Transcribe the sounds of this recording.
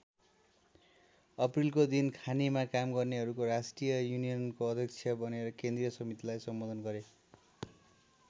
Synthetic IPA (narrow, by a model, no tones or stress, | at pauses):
ʌprilkod̪inkʰanimakamɡʌrneɦʌɾukoɾasʈijʌjunijʌnkoʌd̪ʱjʌk̚t͡sʰjʌbʌneɾʌkẽnd̪rijʌsʌmit̪ilajsʌmbod̪ʌnɡʌɾe